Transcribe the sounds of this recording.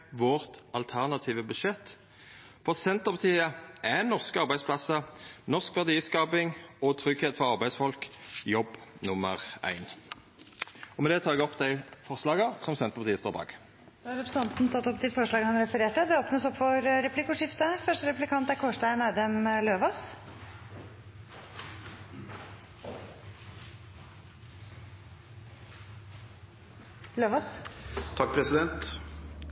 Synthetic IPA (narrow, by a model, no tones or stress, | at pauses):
ʋɔʁt̪ɑlt̪ʰæʁnɑt̪ʰiːʋəbʉʃɛt̪ː | fɔʁsɛnt̪əʁpʰɑt̪ʰiːəʔɛnɔʁskəɑʁbæɪspʰlɑsənɔʁskʋæʁd̪iːskɑːpɪŋɔt̪ʰɾʏɡheːt̪fɔʁɑʁbæɪsfɔlkjɔbːnʊmːəʁæ̰ɪn | ɔmɛd̪ɛːt̪ʰɑːɛɡɔpd̪æɪfɔʁslɑːɡəsɔmsɛnt̪əʁpʰɑt̪iːəst̪oːʁbɑ̰ːɡ | d̪̥ːɑɾɛpʰɾəsɑnt̪nt̪ʰɑt̪ːɔpːd̪ɪfɔʂɭɑːɡəhɑnɾɛfəɾeːʈəd̪ɛoːpnəsɔpːfɔɾɾɛplɪkʊʂɪft̪əfœʂʈəɾɛplɪkʰɑnt̪æɾkʰɔʂʈæɪnɛd̪əmløːʋɑs | løːʋɑst̪ʰɑk̚ːpʰɾɛsɪd̪ɛnt̪